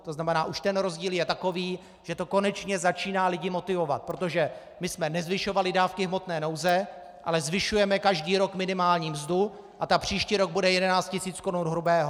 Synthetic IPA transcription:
t̪oznamɛnaːʔuʃt̪ɛnɾo̞zɟiːljɛt̪ako̞viː | ʒ̥ɛt̪o̞ko̞nɛt͡ʃɲɛzat͡ʃiːnaːlɪɟɪmo̞t̪ɪvo̞vat̪̚pɾo̞t̪o̞ʒɛ | mɪsmɛnɛzvɪʃo̞valɪdaːfkɪɦmo̞t̪nɛːno̞wzɛ | ʔa̰lɛzvɪʃujɛmɛkaʒdiːɾo̞kmɪnɪmaːlɲiːmzdu | ʔat̪apr̝̥iːʃciːɾo̞ɡ̚budɛjɛdɛnaːt͡st̪cɪsiːt͡skonunɦɾubɛːɦo

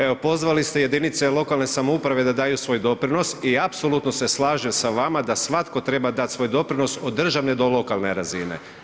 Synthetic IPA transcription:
eo̞po̞zʋalist̪e̞je̞d̪init̪se̞lˠo̞kalne̞samoupɾaʋe̞d̪ad̪aːjusʋo̞ːjd̪o̞pɾino̞siapso̞lˠut̪nose̞slˠaːʒemsaʋamad̪asʋat̪ko̞t̪ɾe̞bad̪at̪sʋo̞ːjd̪o̞pɾino̞sod̪ːr̩ʒaʋned̪o̞lˠo̞kalˠne̞ɾazine̞̰

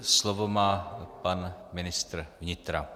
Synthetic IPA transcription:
slovomaːpanmɪnɪst̪ɾ̩vɲɪt̪ɾa

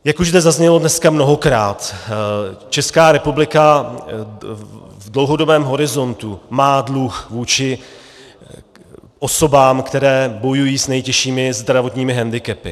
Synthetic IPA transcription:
jakuʒzd̪ɛzazɲɛlo̞dnɛskamno̞ɦo̞kɾaːt̪ | t͡ʃɛskaːɾɛpublɪka | vdlo̞wɦo̞do̞bɛːmɦo̞ɾɪzo̞nt̪umaːdluxvuːt͡ʃɪ | ʔo̞so̞baːmkt̪ɛɾɛːbo̞jujiːsnɛjcɛʃiːmɪzd̪ɾavo̞t̪ɲiːmɪɦɛndɪkɛpɪ̰

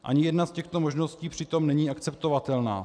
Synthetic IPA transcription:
ʔa̰ɲɪjɛdnascɛxt̪o̞mo̞ʒno̞sciːpr̥ɪt̪o̞mnɛɲiːʔakt͡sɛpt̪o̞vat̪ɛlna̰ː

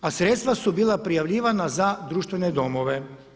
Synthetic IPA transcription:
asɾet̪st̪ʋasubiːlˠapɾijaʋʎiːʋanazad̪ɾuːʃt̪ʋened̪o̞mo̞ʋe̞

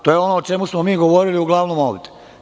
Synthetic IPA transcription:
t̪oːjeo̞noːt͡ʃe̞musmomiːɡo̞ʋo̞ɾiliuɡlˠaʋnomoːbd̪e

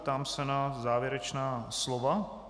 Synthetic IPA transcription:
t̪aːmsɛnazaːvjɛɾɛt͡ʃnaːslova

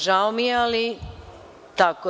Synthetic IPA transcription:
ʒaomijeali | t̪ako

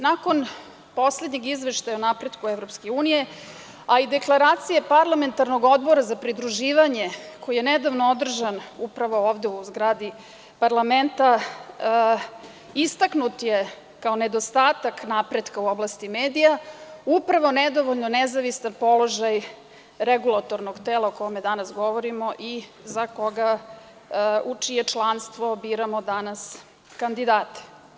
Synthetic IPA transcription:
nako̞n | po̞slˠed̪ɲeɡizʋeʃt̪ajaonapɾe̞d̪kuevɾo̞pske̞uːnije̞ | aid̪e̞klˠaɾaːt̪sije̞paɾlˠame̞nt̪aɾno̞ɡo̞d̪bo̞ɾazapɾid̪ɾuʒiːʋaɲe̞ko̞jijened̪aʋnood̪r̩ʒanupɾaʋo̞oːʋd̪e̞uzɡɾad̪i | paɾlame̞nt̪a | ist̪aknut̪je̞ | kaoned̪ost̪aːt̪aknapɾed̪kauoblˠast̪imeːd̪ijaupɾaʋo̞ned̪o̞ʋoʎnonezaʋisanpo̞lˠo̞ʒaj | ɾeɡulˠat̪o̞ɾnoɡt̪elˠaokomed̪anasɡo̞ʋoɾimo̞ʔizako̞ɡa | ut͡ʃijet͡ʃlˠanst̪ʋo̞biːɾamod̪anas | kand̪id̪aːt̪e̥

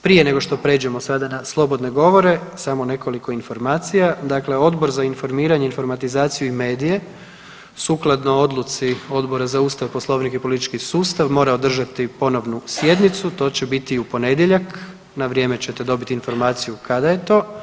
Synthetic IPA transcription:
pɾije̞ne̞ɡo̞ʃt̪o̞pɾe̞ːd͡ʑe̞mosad̪anaslˠo̞bo̞d̪ne̞ɡo̞ʋo̞ɾe̞saːmo̞ne̞ko̞liko̞info̞ɾmaːt̪sijad̪akle̞o̞d̪bo̞ɾzainfo̞ɾmiːɾaɲeinfo̞ɾmat̪izaːt̪sijuime̞ːd̪ije̞ | suːklˠad̪noo̞d̪lˠut̪sio̞d̪bo̞ɾazauːst̪aʋposlˠo̞ːʋnikipo̞lit̪it͡ʃkisuːst̪aʋmo̞ːɾaod̪r̩ʒat̪ipo̞no̞ʋnusje̞d̪nit̪sut̪o̞ːt͡ɕebit̪iupo̞ne̞d̪jeʎak | naʋɾje̞ːmet͡ɕet̪ed̪o̞bit̪info̞ɾmaːt̪sijukad̪aje̞t̪o̞ː

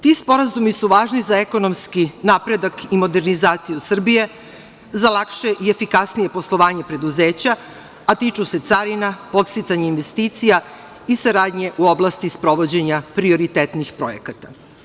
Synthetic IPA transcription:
t̪iːspo̞ɾazumisuʋaːʒnizaeko̞no̞mskinapɾe̞d̪akimo̞d̪e̞ɾnizaːt̪sijusr̩bije̞ | zalˠakʃe̞ʔie̞fikasnije̞po̞slˠo̞ʋaːɲe̞pɾe̞d̪uzeːt͡ɕa | at̪iːt͡ʃuse̞t̪saɾinapo̞t̪st̪it̪saɲeinʋe̞st̪iːt̪sija | isaɾaːd̪ɲe̞ʔuo̞blˠast̪ispɾo̞ʋo̞d͡ʑe̞ɲapɾio̞ɾit̪et̪nixpɾo̞̰jḛkat̪a

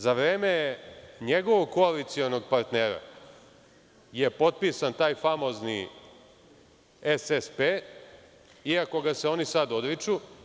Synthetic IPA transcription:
zaʋɾeːme̞ɲeɡo̞ʋo̞ɡ̚ko̞alit̪sio̞noɡ̚paɾt̪neːɾa̰ | je̞po̞t̪̚piːsant̪aːjfamo̞ːzni | esespe | iako̞ɡaseo̞nisad̪o̞d̪ɾit͡ʃu

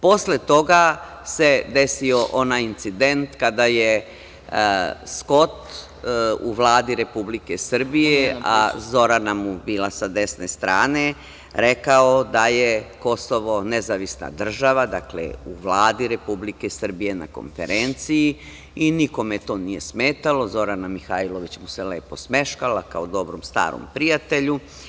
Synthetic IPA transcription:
po̞slet̪o̞ɡa | se̞d̪e̞sio̞ʔo̞najint̪sid̪e̞nt̪kad̪aje | sko̞t̪ | uʋlˠaːd̪iɾe̞publike̞sr̩bijea̰zo̞ɾanamubiːlˠasad̪e̞snest̪ɾaːne̞ | ɾe̞kaod̪ajeko̞soʋo̞nezaʋisna̰d̪r̩ʒaʋad̪aklḛuʋlˠaːd̪iɾe̞publike̞sr̩bije̞na̰ko̰nfe̞̰ɾent̪siji | iniko̞met̪oːnije̞smeːt̪alo̞zo̞ɾanamixailˠoʋit͡ɕmuseleːpo̞sme̞ʃkalakaod̪o̞bɾomst̪a̰ːɾo̰mpɾijat̪e̞ʎu

